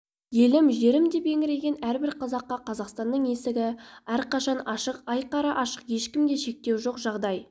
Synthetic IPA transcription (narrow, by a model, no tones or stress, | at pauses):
je̞lɪmʒeɾɪmd̪ebe̞ŋʲɪɾe̞ɡʲe̞næɾbɪɾqʰɑzɑqːɑqʰɑzɑqst̪ɑnːəɴe̞sɪɡʲɪæɾqɑʃɑnɑʃəqɑjqɑɾɑʔɑʃə̥qje̞ʃkʲɪmɡ̪ʲe̞ʃe̞k̚t̪e̞wʒo̞qʒɑʁd̪ɑj